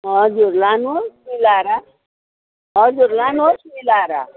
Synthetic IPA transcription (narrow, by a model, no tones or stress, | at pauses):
ɦʌd͡zurlanuosmilaɾa | ɦʌd͡zurlanuosmilaɾa̰